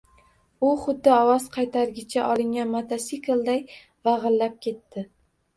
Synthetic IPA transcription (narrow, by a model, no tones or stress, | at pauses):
ʊχʊd̪ːɪɒwɒz̥qʰɑjt̪ʰaɾɡʲɪt͡ʃʰaʔɒlˠɪŋʲanmat̪ʰasikɪlˠd̪aj | vɑʁɨlːap̚kʲʰe̞t̪ːɪ